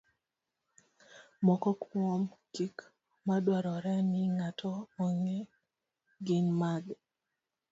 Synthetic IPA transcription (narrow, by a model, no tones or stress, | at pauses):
mɔkɔkʰwɔmkik | madwaɾɔɾɛnɪŋatʰɔɔŋe | ɡɪnmaɡ